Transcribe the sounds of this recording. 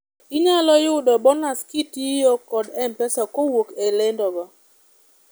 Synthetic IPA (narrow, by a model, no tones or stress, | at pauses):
ɪɲalɔjʊdɔbɔnaskitijɔkɔdɛmpɛsɔkowokelendɔba